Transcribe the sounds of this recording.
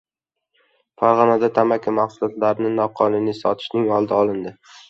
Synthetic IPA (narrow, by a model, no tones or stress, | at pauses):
faɾʁɒnad̪at̪ʰamakʲamaχsʊlat̪laɾnɪnɒqʰɒlɪnisɒt̪ʰɪ̥ʃnɪŋɒlˠd̪aɒlˠɪnd̪ɪ